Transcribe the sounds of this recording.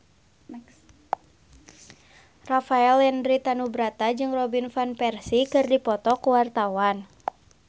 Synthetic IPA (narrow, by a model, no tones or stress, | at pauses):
rafaɛlɛndɾit̪anubɾat̪ad͡ʒɨŋrɔbinfanpɛrsikɨrdipɔt̪ɔkuwart̪awan